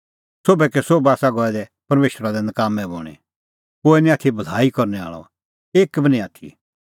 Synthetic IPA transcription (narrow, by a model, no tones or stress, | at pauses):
soːbɛkɛsoːbaːsaɡɔɛd̪ɛpɐɾmeːʃɾad̪ɛnɐkaːmɛ̃bo̰ːɽ̃ḭ | koːɛnĩaːt̪ʰibʱɐlaːikɔɾnɛa̰ːɭɔ̰ | eːkbʱinĩaːt̪ʰḭ